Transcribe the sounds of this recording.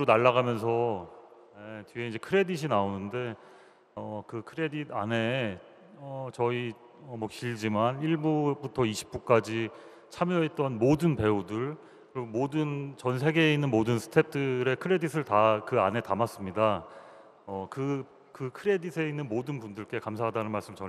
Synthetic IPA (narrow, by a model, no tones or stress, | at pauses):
ɾonaɭːaɣamjʌns̬ʰʌ | jetɥieind͡ʑe̞kʰɯɾe̞diɕ̬ʰinaonɯnde̞ | ʌkɯkʰɯɾe̞didane̞ | ʌt͡ɕʌi | ʌmwʌkiɭd͡ʑimaniɭbubutʰʌiɕʰi̥p͈̚uk͈ad͡ʑi | t͡ɕʰamjʌet̚t͈ʌnmodɯnpe̞udɯɭ | kɯɾiɡomodɯnt͡ɕʌnsʰe̞ɡe̞ːinːɯnmodɯnsʰɯ̥tʰe̞p̚t͈ɯɾe̞kʰɯɾe̞disʰɯɭtakɯane̞tamas͈ɯmɲida | ʌkɯ | kɯkʰɯɾe̞disʰe̞inːɯnmodɯnpundɯɭk͈e̞kamsʰaɦadanɯnmaɭs͈ɯmt͡ɕʌ